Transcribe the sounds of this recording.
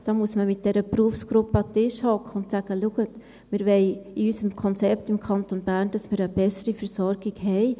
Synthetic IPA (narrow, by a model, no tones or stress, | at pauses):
d̥ɑːmuəsməmɪt̚d̥ɛɾəpɾuəfsɡ̥ɾupːəɑt̪ɪʃhɔkʰːəʊntsæɡ̥əluɡət | mɪːɾʋɛɪiysəmkʰɔnt͡sɛptɪmkʰɑnt̪onbæːrnd̥ɑsmɪːɾəbɛsəɾifəɾsɔɾɡikhɛj